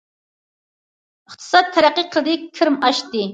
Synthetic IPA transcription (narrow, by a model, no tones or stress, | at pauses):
əχt̪ʰɨ̥sɑt̪ʰːæɾæqːiqʰəlˠd̪ɨkʲʰːɨɾmɑʃt̪ɨ